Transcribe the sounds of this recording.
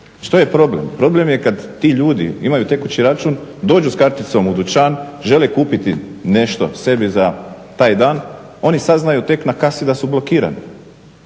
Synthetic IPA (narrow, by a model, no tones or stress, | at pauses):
ʃt̪oje̞pɾo̞blḛmpɾo̞ble̞mjekad̪t̪ːiʎuːd̪ḭimajut̪e̞kut͡ɕiɾat͡ʃuːnd̪o̞ːd͡ʒuskaɾt̪it̪so̞mud̪ut͡ʃaːnʒe̞lekuːpit̪ine̞ʃt̪o̞̰se̞biza | t̪aːjd̪aːn | o̞nisad̪znajut̪e̞knakasid̪asublˠo̞kiːɾa̰nḭ